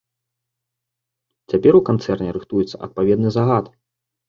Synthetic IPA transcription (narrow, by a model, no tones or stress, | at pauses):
t͡sʲapʲɛɾukant̪sɛrnʲɛɾɨxt̪ujɛt̪sːɐ̰ʔɐ̰t̪̚pavʲɛd̪nɨzaɣat̪